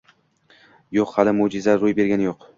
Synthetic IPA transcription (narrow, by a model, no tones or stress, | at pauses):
joqhalɪmod͡ʒɪzaɾʊjbe̞ɾɡʲanɪjoq